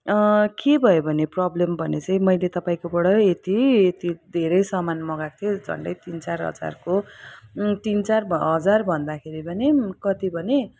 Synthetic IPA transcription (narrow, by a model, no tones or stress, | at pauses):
kebʱʌjobʱʌneprʌblembʱʌnet͡saĩmʌjlet̪ʌpaĩkobʌɽʌet̪iet̪id̪ʱeɾʌjsʌmanmʌɡakt̪ʰed͡zʱʌ̰ɳɖʌjt̪int͡sarɦʌ̰d͡za̰rko | t̪int͡sarbɦʌd͡zarbʱʌnd̪akʰeɾibʱʌnekʌt̪ibʱʌne